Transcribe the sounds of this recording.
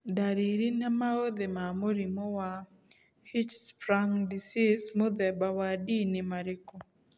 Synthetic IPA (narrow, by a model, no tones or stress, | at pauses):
daɾiɾinamaod̪emamoɾimowa | hit͡ʃspɾaŋdisismod̪ɛbawadinɪmaɾɪko